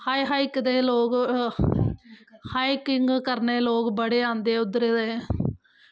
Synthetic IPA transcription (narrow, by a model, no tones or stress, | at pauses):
haːiɦaːikd̪eːloːk | haːiːkɪŋɡkəɾneːloːkbəɽeːãːnd̪eːʊd̪ɾeːd̪eː